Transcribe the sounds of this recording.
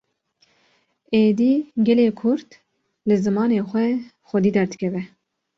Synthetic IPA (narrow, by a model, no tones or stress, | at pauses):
eːd̪iːɡɛleːkʰʊɾt̪ | lɨzɨmɑːneːxʷɛ | xʷɛd̪iːd̪ɛɾd̪ɨkʰʲɛvɛ